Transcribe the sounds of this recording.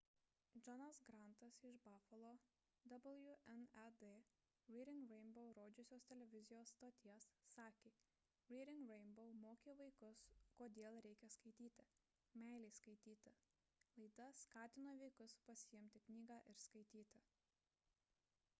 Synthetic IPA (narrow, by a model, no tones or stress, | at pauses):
d͡ʒɔnɐsɡɾɐˑnt̪ɐsɪʃbɑːfɐlˠoː | d̪ɐblˠjʊʔɛnɛd̪e | ɾʲiːɾʲɪŋkɾʲɛɪnboʊɾoːd͡ʒʲʊsʲoːst̪ʲɛlʲɛʋʲɪzʲɪjoːsːt̪oːt̪ʲiɛsːɑːkʲeː | ɾʲiːɾʲɪŋkɾʲɛɪnboʊmoːkʲeʋɐɪkʊskoːd̪ʲeːlˠɾʲɛɪkʲɛskɐɪt̪ʲiːt̪ʲɪ | mʲɛˑɪlʲɛɪskɐɪt̪ʲiːt̪ʲɪ | lˠɐɪd̪ɐskɑːt̪ʲɪnoːʋʲɛɪkʊspɐsʲɪjɛmʲt̪ʲɪknʲiːɡɑːʔɪɾskɐɪt̪ʲiːt̪ʲɪ